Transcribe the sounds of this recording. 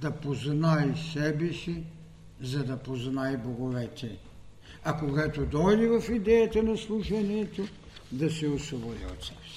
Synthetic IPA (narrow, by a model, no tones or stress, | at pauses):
d̪apoznaisɛbisi | zad̪apoznajboɡovɛt̪ʰɛ | akoɡɛt̪od̪ɔlivafid̪ɛjat̪anaslˠuʃaniɛt̪o | d̪asɛosɔvɔlɛɔ̰t̪sɛ̥b